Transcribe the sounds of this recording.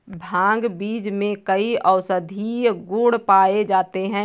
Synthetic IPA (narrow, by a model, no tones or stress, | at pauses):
bʱãːŋɡbiːd͡ʒmẽkəiɔʊsəd̪ʱiɡʊɽpaːed͡ʒaːt̪eɦɛ̃